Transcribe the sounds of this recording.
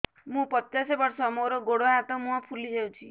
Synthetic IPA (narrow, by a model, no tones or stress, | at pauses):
mũpɔasebɔɾsɔmoɾɔɡoɽoɦat̪ɔmũãpʰulid͡ʒʱewt͡ʃʰi